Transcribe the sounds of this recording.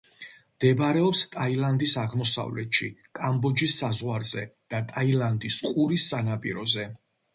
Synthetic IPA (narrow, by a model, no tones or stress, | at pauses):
md̪̥ɛbaɾɛɔpst̪ʼailand̪isaʁmɔsa̰vlɛt̪ʃikʼambɔd͡ʒisːazʁwaɾz̥ɛd̪̥at̪ʼailand̪isqʼuɾisːanapʼḭɾɔzɛ